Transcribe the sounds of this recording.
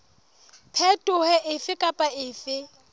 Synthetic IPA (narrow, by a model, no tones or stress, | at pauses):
pʰɛtʼʊhɛʔɪfɪkʼapʼaɪːfɪ